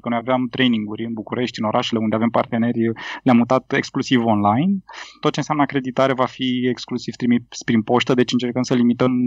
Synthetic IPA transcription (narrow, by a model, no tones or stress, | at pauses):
kənojaveamt̪ɾe̞jniŋɡuɾʲɨnbukuɾe̞ʃt̪ʲɨno̞ɾʔaʃele̞und̪eave̞mpart̪e̞ne̞rʲlʲamːut̪at̪eksklusivo̞nlajnt̪ot̪̚ːt͡ʃe̞nsʲeanəakɾe̞d̪it̪aɾevafieksklusivt̪ɾimispɾinpo̞st̪əd̪e̞t͡ʃɨnt͡ʃe̞rkəmsəlimit̪əm